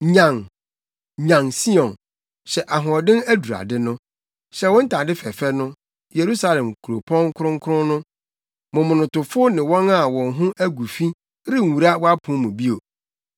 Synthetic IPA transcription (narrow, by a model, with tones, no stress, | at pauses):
ɲã˨ŋ | ɲã˨ŋsi˦ɔ̃˨n | ɕɛ˨ʔa˨ɦʊ̃˨ɔ˨dɪ̃˦næ˦du˨ɾa̰˨dɪ˦nʊ̃˦ | ɕɛ˨˦wɔ̃˦n̩˦tʰa˨dɪ˦fɛ˨fɛ˦nʊ̃˦ | je˨ɾu˦sa˦lɛ̃˨mkʰu˨ɾo˨pʰɔ̃˦ŋ˦kʰʊ˦ɾʊ̃˦ŋ˦kʰʊ˦ʊ̃˦nʊ̃˦ | mʊ̃˨mʊ̃˨nʊ̃˨tʊ˨fʊ˦nɪ̃˨wɔ̃˦na˨wɔ̃˨nɦʊ̃˦ʔæ˦ɡu˨fi˦ | ɾɪ˦˨u˨ɾa˦wɔ˦a˦pʰʊ̃˨˦mʊ̃˨bi˦o˨